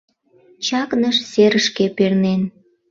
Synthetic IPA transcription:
t͡ɕɑknəʃseɾəʃkepernen

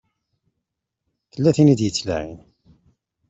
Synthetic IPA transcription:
θəlːæθinid̪jət͡sːlæʕḭn

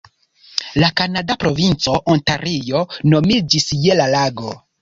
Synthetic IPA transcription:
lakanadapɾo̞vint͡so̞ʔontaɾijo̞no̞mid͡ʒisje̞lalaɡo̞

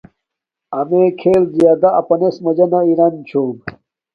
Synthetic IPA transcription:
ɐmekʰeːlzijaːd̪aːpɐnesmɐd͡ʑɐnaiɾant͡ɕʰoːb

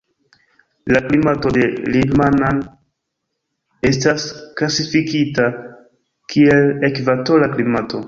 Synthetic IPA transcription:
laklimato̞de̞lidmanan | e̞stasklasifikita | kʰie̞lekvato̞laklimato̞

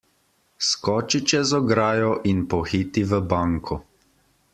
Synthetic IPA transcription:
skɔːt͡ʃit͡ʃɛzɔɡɾaːjɔʔinpɔxiːt̪iʋəbaŋkʰɔ

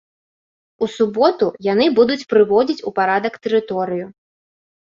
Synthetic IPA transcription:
usubɔt̪ujanɨbud̪ut͡sʲpɾɨvɔd͡zʲit͡sʲupaɾad̪ɐkt̪ɛɾɨt̪ɔɾɨju

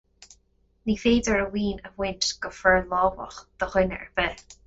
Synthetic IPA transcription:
niːfeːdəɹəwiːnəwɪntɡ̥əfɹɛɹlɔːvə̰xd̪̥əxwɪnə̰ɹbɛː

